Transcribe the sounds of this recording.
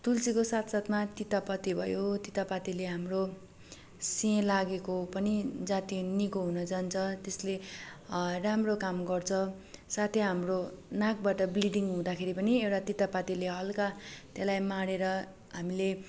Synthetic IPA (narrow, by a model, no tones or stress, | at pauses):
t̪ult͡sikosat̪ʰsat̪mat̪it̪apʌt̪ibʱʌjot̪it̪apat̪ileɦamro | siẽlaɡekopʌnid͡zat̪inikoɦunʌd͡zant͡sʰʌt̪esle | ramrokamɡʌrt͡sʰʌ | sat̪ʰeɦamronak̚baʈʌbliɖiŋɡɦũd̪akʰeɾipʌniewʈat̪it̪apat̪ileɦʌlkat̪elajmaɽeɾʌ | ɦamile